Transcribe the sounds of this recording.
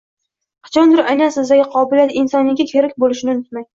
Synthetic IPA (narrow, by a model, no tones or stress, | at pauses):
qʰɨ̥t͡ʃʰɒnd̪ɪɾajnansɪzd̪aɡʲɪqʰɒbɪljat̪ɪnsɒnɪɡʲakʲʰe̞ɾakʲbolɪʃɪnɪnʊt̪̚maj